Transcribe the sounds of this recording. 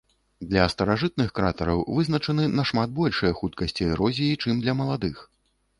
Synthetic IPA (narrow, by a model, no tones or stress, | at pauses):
d̪lʲɐst̪ɐɾaʐɨt̪̚nɨxkɾat̪ɐɾɐwvɨznɐt͡ʂɐnɨnɐʂmat̪̚bɔlʲʂɨjɐxut̪kɐsʲt͡sʲiɛɾɔzʲijit͡ʂɨmd̪lʲɐmɐlˠad̪ɨx